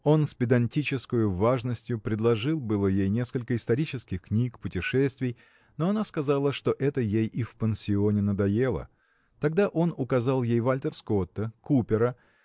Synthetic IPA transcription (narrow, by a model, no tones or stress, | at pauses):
o̞nsʲpʲɪd̪ɐnʲtʲit͡ɕɪskəjʊvaʐnəsʲtʲjʊpɾʲɪd̪lˠɐʐɨlˠbɨlˠəjejnʲe̞skəlʲkəɪst̪ɐɾʲit͡ɕɪskʲɪxknʲikpʊtʲɪʂɛsʲt̪vʲɪj | no̞ɐnaskɐzalˠəʂt̪o̞ʔɛt̪əjejʔifpənʲsʲɪonʲɪnəd̪ɐje̞lˠə̰ | t̪ɐɡd̪aʔo̞nʊkɐzalˠjejvalʲt̪ərsko̞t̪ːəkupʲɪɾə